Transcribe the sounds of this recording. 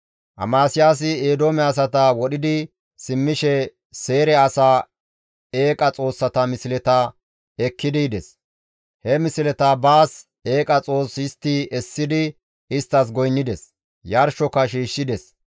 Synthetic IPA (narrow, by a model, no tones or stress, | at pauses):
ʔɐ̰maːsɪjaːs̬ɪeːd̪oːmɛɐs̬ɐt̪ɐwɔɗɪd̪ɪ | sɪmːɪʃɛ | se̞ːɾɛɐsaː | e̞ːkʼɐt͡sʼo̞ːsːɐt̪ɐmɪsɪlɛt̪ɐ | ɛkːɪd̪ɪd̪ɛs | hɛmɪsɪlɛt̪ɐbaːs | e̞ːkʼɐt͡sʼo̞ːsɪst̪ːiɛsːɪd̪ɪ | ɪst̪ːɐs̬ɡɔjnːɪd̪ɛs | jɐɾʃɔkːɐʃiːʃːɪd̪ɛs